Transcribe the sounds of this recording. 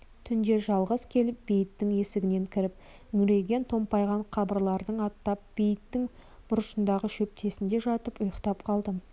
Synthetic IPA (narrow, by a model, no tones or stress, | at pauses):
t̪ʰʏnd̪e̞ʒɑlˠʁəzkʲʰe̞lɪp̚bejɪt̪ːɪŋe̞sɪɡʲɪne̞ŋkʲʰɪɾɪp̚ | ʏŋɾe̞ɡʲe̞nt̪ʰo̞mpɑjʁɑɴqʰɑbəɾlˠɑɾd̪əɴɑt̪ːɑp̚b̥ejɪt̪ːɪŋb̥ʊɾəʃənd̪ɑʁəʃɵp̚t̪e̞sɪnd̪e̞ʒɑt̪əpʊjəqt̪ɑpqʰɑlˠd̪ə